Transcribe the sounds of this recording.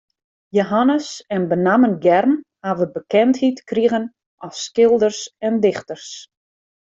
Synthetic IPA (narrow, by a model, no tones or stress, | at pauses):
joɦanəsɛnbənamənɡɛrmhavəbəkɛnthitkriɣən | ʔɔfskɪlˠdərsɛndɪxtərs